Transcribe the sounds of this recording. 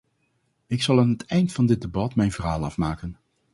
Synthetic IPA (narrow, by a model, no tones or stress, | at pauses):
ɪksɑlˠaːnɦətɛjntfɑndɪd̚debɑtmɛjnvərɦaːlˠɑfmaːkən